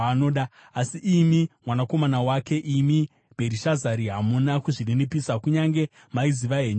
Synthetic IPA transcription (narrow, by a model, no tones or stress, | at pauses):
ano̞ːɗa | asiʔimimwanako̞manawake̞ʔimi | bʱe̞ɾiʃazaɾiɦamunakuʐiɗenipisakuɲaŋɡe̞ | maiziʋaɦeːɲ